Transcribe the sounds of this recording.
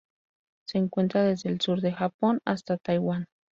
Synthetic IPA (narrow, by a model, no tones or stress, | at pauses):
seːŋkwe̞nt̪ɾaðezðeːlsuɾðexapona̰st̪at̪ajwan